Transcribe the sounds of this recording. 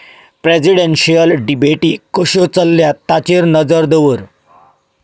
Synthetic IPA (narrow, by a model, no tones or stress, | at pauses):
pɾed͡ʑiɽenɕijəlɖibeʈiːkəɕot͡səlːjat̪at͡ɕeɾnəd͡zəɾd̪əʋəɾ